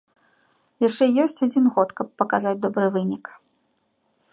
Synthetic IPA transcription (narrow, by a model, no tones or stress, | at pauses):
jaʂt͡ʂɛijɔsʲt͡sʲad͡zʲinɣɔt̪kɐpːɐkazad͡zʲd̪ɔbɾɨvɨnʲik